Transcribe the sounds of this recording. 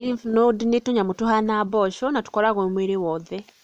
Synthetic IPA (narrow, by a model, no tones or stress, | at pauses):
ifnodinetuɲamutuhanaβɔʃɔnatu̥kɔɾaɣwemweːɾewɔːðɛ